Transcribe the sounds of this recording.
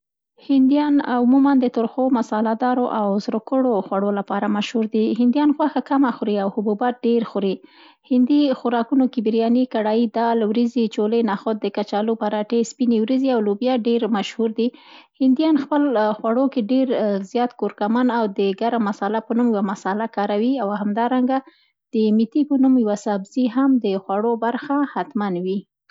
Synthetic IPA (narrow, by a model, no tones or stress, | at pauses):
hɪnd̪jɑnʊmumand̪ət̪ʊɾxomasɑlad̪ɑɾoʔawzɾokəɽoxwaɽolapɑɾamaʃhuɾd̪iɦɪnd̪jɑnxwaxakamaxʊɾiawhʊbubat̪̚ɖeɾxʊɾi | hɪnd̪ixʊɾɑkunokibiɾjɑnikaɽɑjid̪ɑlwɾizit͡ʃolənɑxot̪̚d̪əkat͡ʃɑlupaɾɑʈespinewɾiziawlobjɑɖeɾmaʃhuɾd̪ihɪnd̪ijɑnxpəlxwaɽokeɖeɾzjɑt̪koɾkamanawd̪əɡaɾamasalapənumjwamasɑlakɑɾawiawhamd̪ɑɾaŋɡa | d̪̥əmit̪ipənumjwasabz̥iɦamd̪əxwaɽobaɾxahat̪manwi